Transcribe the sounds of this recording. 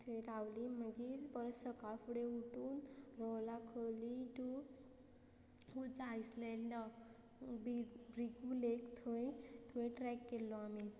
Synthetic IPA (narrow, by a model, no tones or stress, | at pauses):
t̪ʰeʈawliməɡiːɾpəɾsəkaɭfuɽeuʈuːnɾɔwlakʰəliʈu | ɦut͡sajslelːa | bibɾiɡulekt̪ʰəjt̪ʰuẽʈɾɛkːelːɔami